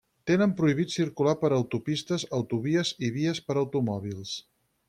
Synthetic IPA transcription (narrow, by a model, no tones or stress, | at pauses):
t̪enəmpɾuiβit̪siɾkulapəɾəwt̪upist̪əzəwt̪uβiəziβiəspəɾəwt̪umɔβ̞ilˠs